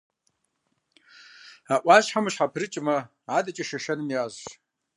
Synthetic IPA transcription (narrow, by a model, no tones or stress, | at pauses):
aʔʷaʒħamɨʃħapʰrɨt͡ʃʼma | adʼat͡ʃʼaʃaʃanɨnjazʃ